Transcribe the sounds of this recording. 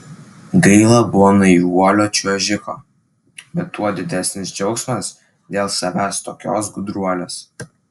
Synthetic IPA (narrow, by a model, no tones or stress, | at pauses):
ɡɐɪlˠɐbʊʋɔːnɐɪuɔlʲoːt͡ʃʲuɔʒʲɪko̰ː | bʲɛt̪ːuɔd̪ʲɪd̪ʲæsʲnʲɪsd͡ʒʲɒʊksmɐs | d̪ʲeːlˠsɐʋʲæːst̪oːkʲo̰ːsɡʊd̪ɾuɔlʲoːs